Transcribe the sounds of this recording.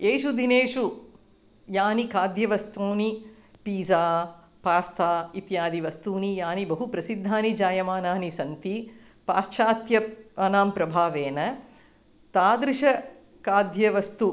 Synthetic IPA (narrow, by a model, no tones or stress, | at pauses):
eːʃud̪ineːʃu | jaːnikaːd̪jɐʋɐst̪oːni | piːzaː | paːst̪aːit̪jaːd̪iʋɐst̪uːnijaːnibɐɦupɾɐsid̪ʱːaːnid͡ʒaːjɐmaːnaːnisɐnt̪i | paːʃʃaːt̪jɐanaːmpɾɐbʱaːʋeːnɐ | t̪aːd̪ɾiʃɐ | kaːd̪jɐʋɐst̪u